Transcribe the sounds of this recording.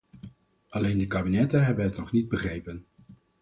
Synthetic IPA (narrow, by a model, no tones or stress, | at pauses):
ʔɑlejndəkaːbinɛtənɦɛbənɦətnɔχnid̚bəχrejpən